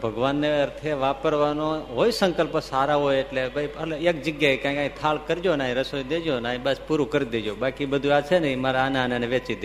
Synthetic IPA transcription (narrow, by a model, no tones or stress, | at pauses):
bʱəɡʋanːeəɾt̪ʰeʋapəɾʋanoɦojsəŋkəlpəsaɾaɦojeʈlebʱajəleek̚d͡ʒəɡjaekãːkeaĩt̪ʰalkəɾd͡ʒonaɦĩɾəsojd̪ed͡ʒonaːɦĩbəspuɾukəɾid̪ed͡ʒobakibəd̪ʱuat͡ʃʰenəĩmaɾaanãnəneʋet͡ʃid̪e